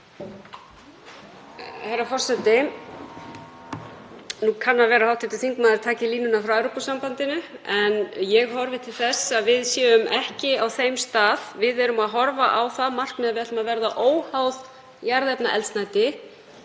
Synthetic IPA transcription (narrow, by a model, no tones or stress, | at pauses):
hejɾafɔr̥sɛt̪ɪ | nukʰanːaðvɛːɾahawt̪ɪt̪ʏθiŋkmaðɪɾt̪ʰaːcɪliːnʏnafɾawaɾopasampant̪ɪnʏɛnjɛɣɦɔɾvɪt̪ʰɪlθɛsːaðvɪðsjɛːʏmɛhcɪawθejmst̪aːðvɪðɛɾʏmaðɦɔɾvaʔawθaðmar̥kmɛðaðvɪɛt̪lʏmaðvɛɾðaʔoːwhawð | jaɾðɛpnaʔɛ̰lsnajt̪ɪ